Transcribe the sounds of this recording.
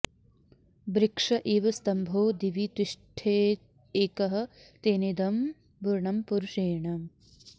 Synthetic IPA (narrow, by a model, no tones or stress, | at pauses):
bɾɪkʂɐʔiːʋɐst̪ɐmbʱoːd̪iʋit̪uʂʈʰeː | eːkɐɦɐ̆t̪eːnid̪ɐm | bʱuɾɳɐmpuɾuʂeːɳɐ